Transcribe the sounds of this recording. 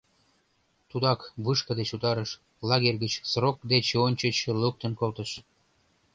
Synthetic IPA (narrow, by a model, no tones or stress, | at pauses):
t̪ud̪ɑkβɯʃkə̆d̪et͡ɕut̪ɑɾə̆ʃ | lɑɣerʲɣət͡ɕsrok̚d̪et͡ɕonʲt͡ɕə̆t͡ɕeluk̚t̪ə̆nkolt̪ə̆ʃ